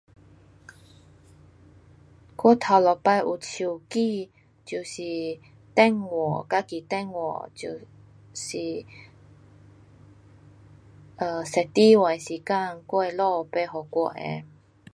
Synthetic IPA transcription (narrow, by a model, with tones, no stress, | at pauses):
kɔ˥˦t̪ʰa˧˩lɔ˨˩pa˧jʔu˨t͡ɕʰu˨˩ki˥˧˨ | t͡ɕju˨˩si˨˩ | t̪ɛ˥˧ŋwɔ˨˩˨ka˦˥ki˨t̪ɛ˥˨ŋwɔ̰˨˩t͡ɕu˧˨˩ | ɕi˨˩ | ʔə˧˩sɛ˨˩t̪i˦wa˨si˨ka˥˧˨ŋkɔ˥˧e˧lɔ˥˧pe˧ɦɔ˨˩kwɔ̰˧ʔḛ˧˦